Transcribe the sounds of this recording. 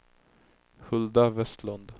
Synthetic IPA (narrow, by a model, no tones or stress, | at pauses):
hɵld̪avɛst̪lɔnd̪